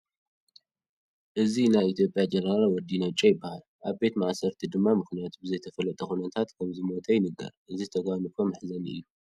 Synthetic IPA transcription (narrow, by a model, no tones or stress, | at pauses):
ʔɨzinajit̪ʰjo̞pʼjad͡ʒɛnɐɾalwɔd̪inot͡ʃʼɐjɪbːahalʔaβbe̞t̪maʔsɐɾt̪ʰid̪ɨmːamɨxnijat̪ʰubɨzɐjt̪ʰɐfɐlɐt̪ʼɐxunɐt̪ʰat̪kʰɐmzɨmo̞t̪ʰɐjɪnɨɡa̰ɾʔɨzizt̪ʰɐɡawnɨkʰomɨħzɐnɨ̰jːu